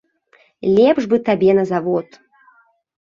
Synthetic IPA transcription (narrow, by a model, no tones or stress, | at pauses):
lʲɛpʐbɨt̪abʲɛnɐzavɔt̪